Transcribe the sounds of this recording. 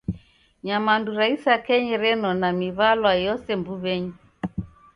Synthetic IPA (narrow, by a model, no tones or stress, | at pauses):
ɲamanduɾaisakɛɲɛɾɛnɔnamiβalwajɔsɛmbuβɛɲi